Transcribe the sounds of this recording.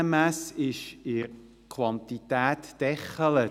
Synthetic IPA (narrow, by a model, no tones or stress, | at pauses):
əmæsɪʃɪɾ | kʰwɑnt̪it̪æːt̪d̥ɛχələ